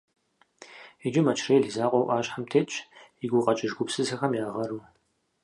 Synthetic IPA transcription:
id͡ʒɪmɐt͡ʃʰreːjɮizaːqʷʼɔwʔaːɕħamtʰeːt͡ʃʼɪɡʷʊqʼɐt͡ʃʼɪʒɡʷʊpsɨzɨxɐmjaːʁɐɾuː

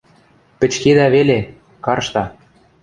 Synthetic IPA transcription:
pɘ̆t͡ɕked̪æβele | kɑrʃt̪ɑ

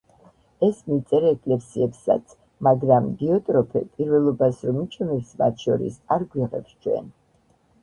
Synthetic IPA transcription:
ɛsmit̪sʼɛɾɛkʼlɛpsiɛpsa̰t̪sʰ | maɡɾambiɔt̪ʼɾɔpʰɛ̰pʼiɾvɛlˠɔbasɾɔmit͡ʃʰɛmɛpsma̰t̪ʰʃɔɾḭsaɾɡwiʁɛ̰pst͡ʃʰwɛ̰n

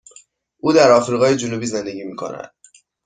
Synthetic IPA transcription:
ʔuːd̪æɾɒːfɾiːɣɒːje̞d͡ʒonubiːze̞nd̪e̞ɟiːmiːkʰo̞̰næ̰d̪̥

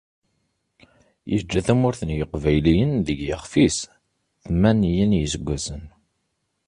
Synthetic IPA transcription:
jə̰d͡ʒːæθæmʊɾθənjəqvæjlijənðəɡjəχfis | θmænijənjəsəɡʷːæsən

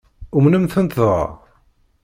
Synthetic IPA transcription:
umnəmθənt̪ðˤʁɑ̰

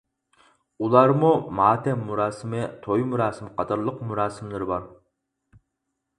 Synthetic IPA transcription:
ulˠɑɾmumɑːt̪ʰɛmːuɾɑːsɪmɪt̪ʰojmuɾɑːsɨmɨqʰɑt̪ɑɾlˠəqmuɾɑːsɪmlˠɪɾɨbɑɾ

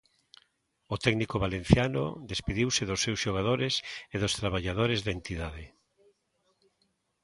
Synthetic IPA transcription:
ot̪ɛɡnikoβalen̟θjano̰ðespiðiwsɪðosːewsʃoɣ̞að̞oɾeseðost̪ɾaβaʎað̞oɾezðent̪iðaðe

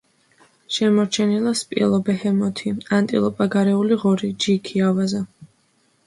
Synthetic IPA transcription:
ʃɛmɔɾt͡ʃʰɛnilˠaspʼiɛlˠɔbɛhɛmɔt̪ʰiant̪ʼḭlˠɔpʼaɡaɾɛuliʁɔɾid͡ʒikʰiavaza

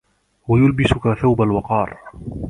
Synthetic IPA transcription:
wajʊlbɪsʊkaθawbalwɑqɑːɾˤ

